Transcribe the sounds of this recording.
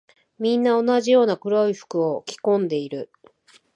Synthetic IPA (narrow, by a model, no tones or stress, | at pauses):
mʲĩnːao̞naʑijo̞ːnakɯ̟ɾoiɸɯ̥kɯ̟okʲi̥kõ̞nd̪e̞iɾɯ̟